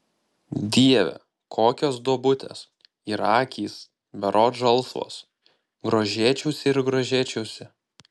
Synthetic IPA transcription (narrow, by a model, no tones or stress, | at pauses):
d̪ʲiɛʋʲɛ̰ | kʰoːkʲoːsd̪oɔbʊt̪ʲḛːs | iɾɑːkʲiːs | ʋʲɛɾʔoːʒɐlˠsʋo̰ːs | ɡɾoːʒʲeːt͡ʃʲɛʊsʲɪɪɾɡɾoːʒʲeːt͡ʃʲɛʊsʲɪ